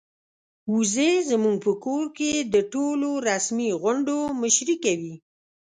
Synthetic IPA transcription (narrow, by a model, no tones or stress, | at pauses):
uzezəmuŋɡ̚pəkoɾked̪əʈoloɾasmiɣʊɳɖoməʃɾikawi